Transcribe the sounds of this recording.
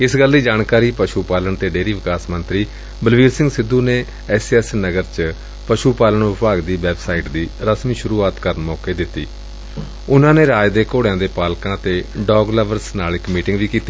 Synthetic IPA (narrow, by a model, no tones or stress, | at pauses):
ɪsɡəld̪iːd͡ʒaːɳkaːɾiːpəʃuːpaːləɳt̪eːɖeːɾiːʋɪkaːsmənt̪ɾiː | bəlʋiːɾsɪ̃ŋɡsɪd̪ːuːneː | ɛːsɛːsnəɡəɾt͡ʃ | pəʃuːpaːləɳʋɪpaːɡd̪iːʋɛːbsaːiːʈd̪iːɾəsmiːʃʊɾuːaːt̪kəɾənmɔːkeːd̪ɪt̪ːḭː | ʊnãːneːɾaːd͡ʒd̪eːkoːɽejãːd̪eːpaːlkãːt̪eːɖɔːɡləʋəɾsnaːlɪkmiːʈɪŋɡʋiːkiːt̪iː